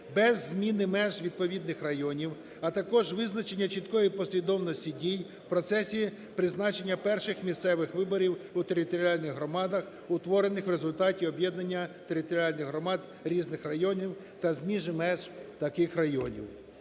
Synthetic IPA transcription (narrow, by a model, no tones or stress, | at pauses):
bɛzːmʲinɪmɛʒʋʲid̪̚pɔʋʲid̪nɪxrɐjɔnʲiw | ɐt̪ɐkɔʒʋɪznɐt͡ʃenʲːɐt͡ʃit̪kɔjipɔsʲlʲid̪ɔwnɔsʲtʲidʲij | pɾɔt̪sɛsʲi | pɾɪznɑt͡ʃenʲːɐpɛrʃɪxmʲissɛʋɪxʋɪbɔɾʲiwut̪eɾʲɪt̪ɔɾʲiɑlʲnɪɣɦɾɔmɑd̪ɐx | ʊt̪ʋɔɾenɪxwre̞zʊlʲt̪ɑtʲiɔbʲjɛd̪nɐnʲːɐt̪e̞ɾʲɪt̪ɔɾʲiɑlʲnɪɣɦɾɔmɑd̪ | ɾʲiznɪxrɐjɔnʲiw | t̪ɐzmʲiʒɪmɛʒt̪ɐkɪxrɐjɔnʲḭw